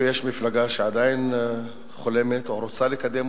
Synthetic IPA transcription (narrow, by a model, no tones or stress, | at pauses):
jɛʃmiflaɡaʃead̪ain | χolemet̪oɾot͡salekad̪em